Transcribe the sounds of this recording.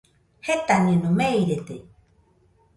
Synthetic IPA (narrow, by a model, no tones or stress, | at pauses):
het̪anẽnũmejɾet̪e